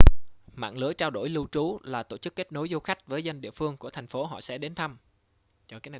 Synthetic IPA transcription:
ma̰ː˧˨ŋlɨ˨˦ət͡ɕaː˧wɗo˧˩jlɨ˧wt͡ɕu˨˦laː˨˩t̪o̰˧˩t͡ɕɨ˦˥kːe˦˥t̚no˨˦jzo˧xa˦˥jk̟̚vəː˨˦jza˧jŋ̟ɗḭ˧˨əfɨ˧əŋku˧˩ət̪ʰa˨˩ŋ̟fo˨˦ɦɔ̰˧˨sɛ̰˧˥ɗe˨˦nt̪ʰə˧m | t͡ɕɔ˧˩kaː˨˦jna˨˩

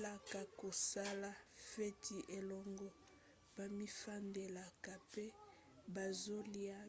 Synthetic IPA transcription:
la˨ka˨ko˨sa˦la˦fe˦tʰi˨ʔe˨lɔ˨ŋɡɔ˦ | b̥a˨mi˦fa˦nde˨la˨ka˨pe˦ | ba˨zo˦li˦a˦

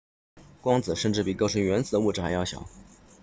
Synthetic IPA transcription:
kwɑ˥ŋt͡sɹ̩˨˩ʂə˥˧nʈ͡ʂɻ̩˥˩pi˨˩kɤ˥ʊʂə˧˥ŋɥɛ˧˥nt͡sɹ̩˨˩d̪ə˦wu˥˩ʈ͡ʂɻ̩˥˩xa˧˥ɪjɑ˥˩ʊɕjɑ̰˨˩˦ʊ

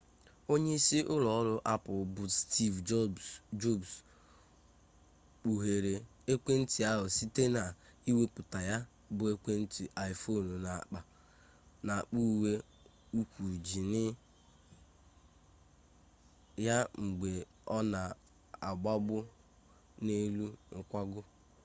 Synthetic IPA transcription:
o˦ɲe˦i˦si˦ʔʊ˦lɔ˨ɔ˦ɾʊ˦ʔa˦pʊ˨bʊ˨sti˦vd͡ʒd͡ʒo˦˨bs | k͡pu˨ɦe˨ɾe˨e˦kʷe˦n̩˦ti˨a˦ɦʊ˨si˦te˦na˨i˦we˦pʊ˨ta˨ja˦ | bʊ˨˦e˦kʷe˦n̩˦ti˨ʔa˨jfo˦˨n˨na˨k͡pa˨ | na˨k͡pu˦˨we˦ | u˦kʷu˨d͡ʒi˨nɪ˦ | ja˦ŋ͡m̩˨ɡ͡be˨ | ɔ˦na˨ | a˨ɡ͡ba˦ɡ͡bʊ˦ | ne˦lu˦ŋ̩˨kʷa˦ɡʊ˦

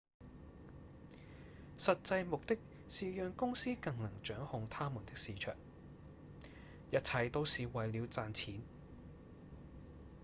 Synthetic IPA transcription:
sɐ˨t̚t͡sɐ˧jmʊ˨k̚t̪ɪ˥k̚ | siː˨jœː˨ŋkʊ˥ŋsiː˥kɐ˧ŋnɐ˨˩ŋt͡ʃœː˨˥ŋhʊ˨˧ŋt̪ʰaː˥muː˨˩nt̪ɪ˥k̚siː˨˧t͡ʃʰœ̰ː˨˩ŋ | jɐ˥t̚t͡sʰɐ˧jt̪o˥wsiː˨wɐ˨jliː˨˧wt͡saː˨nt͡sʰiː˨˥n

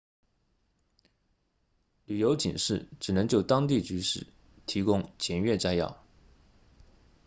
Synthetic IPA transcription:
ly˨˩jo˧˥ʊt͡ɕḭ˨˩nʂɻ̩˥˩ʈ͡ʂɻ̩˨˩nɤ˧˥ŋt͡ɕjo˥˩ʊt̪ɑ˥ŋt̪i˥˩t͡ɕy˧˥ʂɻ̩˥˩ | t̪ʰi˧˥kʊ˥ŋt͡ɕʰjɛ˧˥nɥɛ˥˩t͡sa˥ɪjɑ̰˥˩ʊ

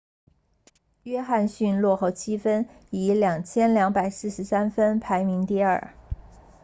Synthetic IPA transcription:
ɥɛ˥xa˥˧nɕy˥˧nlwɔ˥˧xo˥˩ʊt͡ɕʰi˥fə˥ni˧˥ljɑ˨˩ŋt͡ɕʰjɛ˥nljɑ˧˥ŋpa˨˩ɪsɹ̩˥˩ʂɻ̩˧˥sa˥nfə˥npʰa˧˥ɪmi˧˥ŋt̪i˥˧ə̰˞˨˩

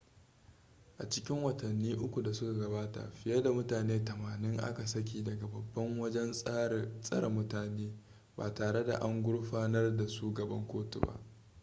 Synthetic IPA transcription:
ʔa̰˨t͡ʃɪ̥˦kʲɪ˦ŋwɐ˨tɐ˨nːiː˦ʔʊ˦kʷu˨da˨sʊ˦ka˨ɡɐ˨baː˦ta̰˨ɸɪ˨jɐ˦da˨mʊ˦taː˨neː˦tɐ˨maː˨nɪ˦ŋʔa̰˦ka˨sɐ˦k̬ʲiː˨dɐ˨ɡa˨bɐ˨bːɐ˦ŋwɐ˦d͡ʒɛ˦n | sʼɐ˦ɾa˨mʊ˦taː˨neː˦ | baː˨taː˨ɽe˦da̰˨ʔa˦ŋɡʷʊ˦ɽɸaː˦nɐ˦rda˨ʃuː˦ɡɐ˨bɐ˦ŋkʷoː˦tṵ˨ba̰˦ʔ

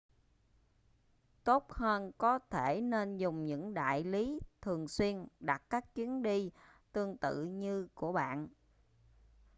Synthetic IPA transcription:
t̪o˦˥t̚həː˧nkɔ˨˦t̪ʰe˧˩ne˧nzʊ˨˩ŋ͡mɲɨ̰˧˥ŋɗa̰ː˧˨jli˨˦t̪ʰɨ˨˩əŋswi˧ənɗa˨˩t̚kaː˦˥k̚t͡ɕwi˨˦ənɗi˧t̪ɨ˧əŋt̪ɨ̰˧˨ɲɨ˧ku˧˩əɓa̰ː˧˨n

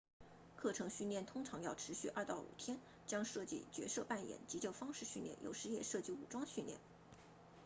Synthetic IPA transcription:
kʰɤ˥˩ʈ͡ʂʰɤ˧˥ŋɕy˥˧nljɛ˥˩nt̪ʰʊ˥ŋʈ͡ʂʰɑ˧˥ŋjɑ˥˩ʊʈ͡ʂʰɻ̩˧˥ɕy˥˧ʔɐ˥˧t̪ɑ˥˩ʊṵ˨˩t̪ʰjɛ˥n | t͡ɕjɑ˥ŋʂɤ˥˧t͡ɕḭ˥˩t͡ɕɥɛ̰˧˥sɤ˥˧pa˥˩njɛ̰˨˩˦nt͡ɕi˧˥t͡ɕjo˥˩ʊfɑ˥ŋʂɻ̩˥˧ɕy˥˧nljɛ̰˥˩njo̰˨˩ʊʂɻ̩˧˥jɛ˨˩ʂɤ˥˧t͡ɕi˥˩u˨˩ʈ͡ʂwɑ˥ŋɕy˥˧nljɛ̰˥˩n

